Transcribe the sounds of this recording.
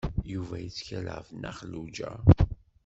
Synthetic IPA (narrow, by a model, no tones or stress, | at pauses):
juvæjət͡sːçæl̰fnæ̰χəlːud͡ʒæ̰